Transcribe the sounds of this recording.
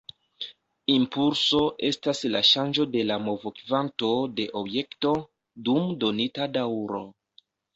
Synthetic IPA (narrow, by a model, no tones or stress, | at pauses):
impulso̞ʔe̞stasla̰ʃand͡ʒo̞de̞lamo̞vokvanto̞de̞ʔo̞bje̞kto̞ | dumdo̞nitadawɾo̞̰